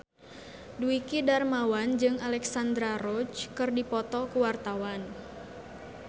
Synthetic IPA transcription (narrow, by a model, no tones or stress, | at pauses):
duikidarmawand͡ʒɨŋalɛksand̪ɾaɾɔt͡ʃkɨrdipɔt̪ɔkuwart̪awan